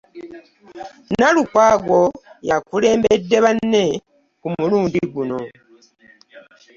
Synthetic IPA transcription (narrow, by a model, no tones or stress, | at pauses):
nalukwaːɡo̞jakule̞ːmbedːe̞βanːe̞ | kumuluːndiɡuno̞